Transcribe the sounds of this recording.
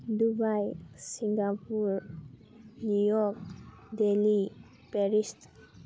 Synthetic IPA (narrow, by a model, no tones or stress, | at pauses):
dubajsiŋɡapuɾ | nujɔk̚ | deli | pɛɾist